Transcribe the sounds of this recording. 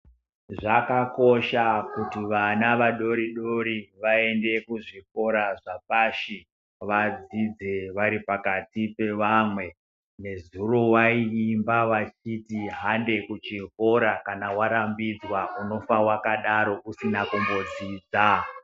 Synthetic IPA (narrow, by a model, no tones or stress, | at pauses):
ʐakako̞ʃakutiʋanaʋaɗo̞ɾiɗo̞ɾiʋae̞nde̞kuʐik̚o̞ɾaʐap̚aʃi | ʋad͡zid͡zeʋaɾipakatipe̞ʋamwe̞ | ne̞zuro̞waiːmbaʋat͡ʃitiɦande̞kut͡ʃiko̞ɾakanawaɾambid͡zwauno̞fawakaɗaɾo̞ʔusinakumbo̞d͡ziːd͡za